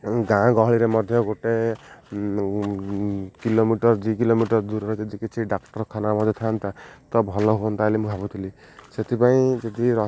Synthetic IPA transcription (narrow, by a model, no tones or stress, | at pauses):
ɡãɡɔɦɔɭiɾemɔd̪ʱjɔɡoʈe | kilomiʈɔɾd̪ikilomiʈɔɾd̪uɾɔɾed͡ʒɔd̪ikit͡ʃʰiɖakʈɔɾkʰanamɔd̪et̪ʰant̪at̪ɔbʱɔlɔɦoɔnt̪alimũbʱabut̪ʰili | set̪ʰipaĩd͡ʒɔd̪iɾɔ